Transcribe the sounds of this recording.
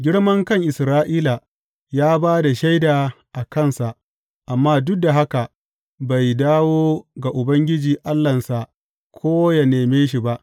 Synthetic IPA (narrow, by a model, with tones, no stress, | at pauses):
ɡʲɪ˦ɽmɐ˦ŋkɐ˦˨ŋʔɪ˨sɾaː˦ʔiː˦la˨ | jaː˦baː˦da˨ʃa˦jdaː˨ | ʔa˨kɐ˦˨nsa˨ʔ | ʔa˨mːaː˦dʊ˦k̚da˨ɦa˦ka˨ | ba˨jdaː˦woː˦ɡa˨ʔʊ˨bɐ˦ŋɡʲɪ˦d͡ʒiː˨ʔa˦lːɐ˨nsa˨ʔ | kʰoː˦ja˨neː˨meː˦ʃ̬i˨ba˦ʔ